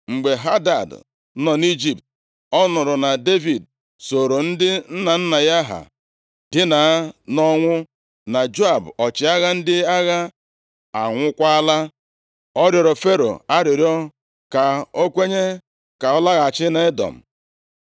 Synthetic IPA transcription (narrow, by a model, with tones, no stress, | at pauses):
ŋ͡m̩˨ɡ͡be˨ɦa˦da˨d | nɔ˨ni˦d͡ʒi˨p̚t̚ | ɔ˦nʊ˨ɾʊ˨na˨de˦vi˨d̚ | so˨ɾo˨n̩˦dɪ˦n̩˦na˨n̩˦na˨ja˦ɦa̰˨ | dɪ˦na˨˦nɔ˦ŋʷʊ˦ | na˨d͡ʒo˦a˨bɔ˨t͡ʃɪ˨a˦ɣa˦n̩˦dɪ˦a˦ɣa˦ | a˨ŋʷʊ˦kʷa˦a˦la˦ | ɔ˦ɾjɔ˨ɾɔ˨fe˦ɾo̰˨a˦ɾɪ˨ɾjɔ˦ | ka˨o˦kʷe˦ɲe˦ | ka˨ɔ˦la˦ɣa˨t͡ʃɪ˦na˨e˦dɔ̰˨m̩˨